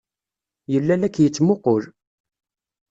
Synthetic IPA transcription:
jəlːælækːjət͡sːmoqʊl

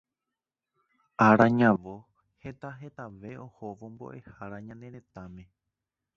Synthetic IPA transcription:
aɾaɲãʋo | he̞t̪aɦe̞t̪aʋe̞ʔo̞hoʋo̞mbo̞̰ʔe̞haɾaɲãnẽ̞ɾẽ̞t̪amẽ̞

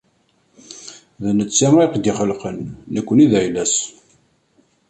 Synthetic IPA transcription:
ðnət͡sːæmiqd̪iχəlqənːəkʷːəniðʕjlæs

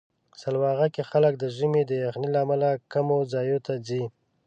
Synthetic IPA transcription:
salwɑɣakexalək̚d̪əʒəmed̪əjaxnilaːmalakamozɑjot̪ad͡zi

